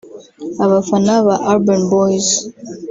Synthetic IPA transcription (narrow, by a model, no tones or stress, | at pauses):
aβafanaβaʔaɾbənbɔjz